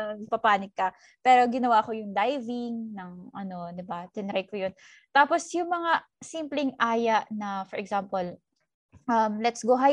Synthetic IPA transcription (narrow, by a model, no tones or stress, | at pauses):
pɐpaːnɪɡ̚kːɐ | pɛːɾo̞ɡɪnɐwaːkojʊŋd̪ajvɪŋnɐŋʔɐno̞d̪ɪbɐt̪ɪnɾajkojon | t̪aːposjʊŋmɐŋa | simplɛŋʔaːjɐʔnɐfɔɹʔɛɡzampɐl | ʔɐmlɛt̪sɡoɦa